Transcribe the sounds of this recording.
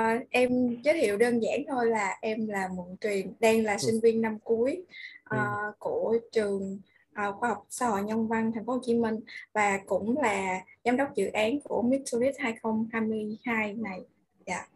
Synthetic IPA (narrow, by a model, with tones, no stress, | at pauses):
ʔʔɛ˧mzəː˨˦jt̪ʰḭ˧˨əwɗəː˧nza̰ː˧˥nt̪ʰo˧jlaː˨˩ʔɛ˧mlaː˨˩mo˧˨˩t̚t̪wi˨˩ənɗɛ˧nlaː˨˩sï˧ŋ̟vi˧ənːa˧mku˨˦əjʔəː˨˩ku˧˩ət͡ɕɨ˨˩əŋ | ʔəː˨˩xwaː˧hɔ˨˩wk͡p̚saː˧ho̰˧˨jɲə˧ŋ͡mva˧ŋt̪ʰŋ̟fo˨˦ho˧˩t͡ɕi˨˦mï˧ŋ̟vaː˨˩kʊ̰˧˥ŋ͡mlaː˨˩zaː˨˦mɗə˦˥wk͡p̚zɨ̰˧˨ʔaː˨˦nku˧˩əmi˦˥t̚tu˧li˦˥t̚haː˧jxə˧wŋ͡mhaː˧jmɨ˧əjhaː˧jna˨˩j | za̰ː˧˨